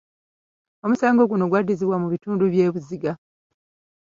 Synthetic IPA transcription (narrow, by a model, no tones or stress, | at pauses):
o̞musaːŋɡo̞ɡuno̞ɡwadiziβwamuβituːnduβje̞ːβuziɡa